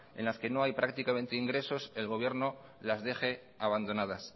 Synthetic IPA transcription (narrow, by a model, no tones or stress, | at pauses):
e̞̰nlaske̞no̞ajpɾakt̪ikament̪eiŋɡɾe̞so̞se̞lɣo̞β̞je̞ɾno̞ | lazðe̞xe̞ | aβand̪o̞nað̞as